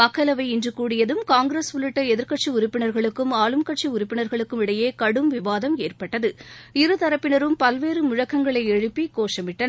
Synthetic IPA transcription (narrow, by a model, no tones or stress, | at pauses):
ɐkːɐlɐʋɐɪɪndrɯkuːɽɪjɐðɯmkaːŋɡɾeːsʋʊlɪʈːɐɛðɪɾkɐʈ̚t͡ʃiʊɾʊpːɪnɐɾɣɐɭɯkːɯmaːlɯmkɐʈ̚t͡ʃiʊɾʊpːɪnɐɾɣɐɭɯkːɯmɪɽɐjeːkɐɽɯmʋɪʋaːðɐmeːrpɐʈːɐðɯɪɾɯt̪ɐɾɐpːɪnɐɾɯmpɐlʋeːɾɯmʊɻɐkːɐŋɡɐɭɐɪɛɻɯpːikoːʂɐmɪʈːɐn